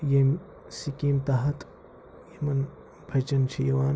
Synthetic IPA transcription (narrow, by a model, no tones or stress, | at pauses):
jem | sikiːmt̪aɦɐt̪ | jemɐn | b̥ʱɐt͡ʃɐnt͡ʃʰijɐʋaːn